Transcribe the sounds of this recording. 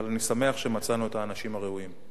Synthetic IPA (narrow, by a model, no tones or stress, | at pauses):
alanisame̞aχʃe̞mat͡sanue̞t̪aːnaʃimhaʁeuim